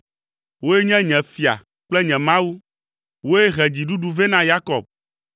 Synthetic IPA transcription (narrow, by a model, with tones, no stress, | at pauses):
wo˦e˦ɲɛ̃˦ɲɛ̃˨fi˨a̰˨ | k͡plɛ˦ɲɛ̃˨mã˦wu˦ | wo˦e˦ɦɛ˨d͡ʑi˨ɖu˦ɖu˦ve˦nã˦ja˦kɔ˨b̚